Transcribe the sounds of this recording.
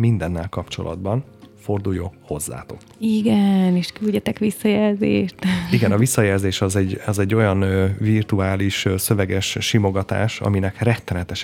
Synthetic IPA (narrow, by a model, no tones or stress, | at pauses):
mind̪ɛnːɛlkɒpt͡ʃo̞̰lʔɒ̰d̪bɒn | fo̞rd̪ujoːho̞zːa̰ːt̪okiɡɛneːʃkylɟɛt̪ɛkʋisːɒjɛlzḛːʃt̪iɡɛnɒvisːɒjɛlzeːʃɒzɛɟːɒzɛɟːo̞jɒnvirt̪uaːliʃsø̞vɛɡɛʃʃimo̞ɡɒt̪a̰ːʃɒ̰minɛkrɛt̪ːɛnɛt̪ɛʃ